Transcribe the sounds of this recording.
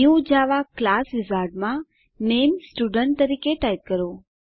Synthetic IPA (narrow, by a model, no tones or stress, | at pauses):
ũd͡ʒaʋaklasʋɪzaɾɖmã | nemsʈuɖəɳʈt̪əɾikeʈajt̪̚kəɾo